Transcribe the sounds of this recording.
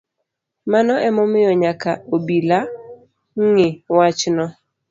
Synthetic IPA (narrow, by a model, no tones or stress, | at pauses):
manɔʔɛmɔmɪjɔɲakaobila | ŋŋɪwat͡ʃnɔ